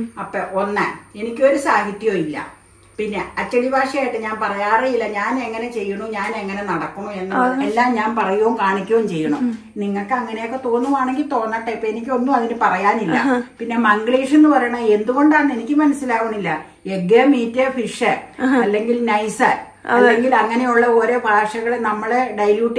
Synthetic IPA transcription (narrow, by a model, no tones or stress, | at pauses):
ɐpːɐʔo̞nːɐ̰e̞nikʲːo̞ɾusaːhit̪ːjoːilːɐ̰ | pinːe̞ɐt͡ɕːɐɽibʱaːʂɐjaːjiʈːɨɲaːnpɐrɐjaːrejilːɐɲaːne̞ŋːɐne̞t͡ɕe̞jːuɳuɲaːne̞ŋːɐne̞nɐɽɐkːuɳuenːɐɐelːaːmɲaːnpɐrɐjuʋuŋkaːɳikʲːumt͡ɕe̞jːɐɳṵ | niŋːɐɭkːɨɐŋːɐnejo̞kːe̞t̪o̞ːnːuʋaːɳe̞ŋɡilt̪o̞ːnːɐʈːɐpːenikʲːonːuɐðinɨpɐrɐjaːnilːɐ̰pinːe̞mɐŋɡɭeːʂenːupɐrɐjɳɐe̞nd̪uɣo̞ɳɖaːɳːe̞nikʲːɨmɐnɐsːilaːɣuɳumilːɐ | eɡemiːtːɐfiʂɐɐlːe̞ŋɡilnɐjsɐ | ɐlːe̞ŋɡilɐŋːɐnejuɭːɐoːɾebʱaːʂɐɣɐɭenɐmːɐɭeɖɐjljuːʈː